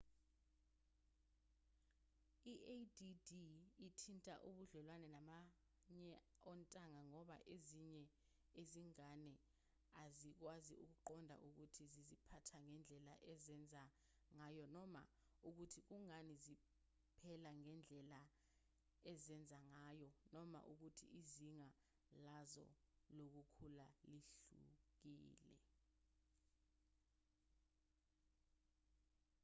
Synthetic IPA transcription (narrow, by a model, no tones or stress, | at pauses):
iʔedidiːtʰintʼa̰ʔuɓuɮɛlwanɛnama | ɲɛ | ɔntʼaŋaŋɔɓa̰ʔeziɲɛ | eziŋanɛ | azik̬waziuk̬uǃɔndʱa̰ʔuk̬utʰizizipʰatʰaŋɛnd͡ɮʱɛla̰ʔɛzɛnd͡zʱa | ŋaːjɔnɔma̰ | uk̬utʰik̬uŋanizi | pʰɛlaŋɛnd͡ɮʱɛla | ɛzɛnd͡zʱaŋajɔnɔma̰ʔuk̬utʰḭʔiziŋa | lazɔ̰lok̬ukʰulaliɬṵk̬iːlɛ̰